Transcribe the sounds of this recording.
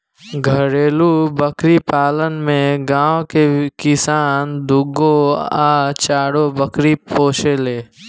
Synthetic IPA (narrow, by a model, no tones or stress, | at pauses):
ɡʱəɾeːlubəkɾipaːlənmẽɡãːokekɪsaːnd̪ʊɡoaːt͡ʃaːɽobəkɾipoːʃeleː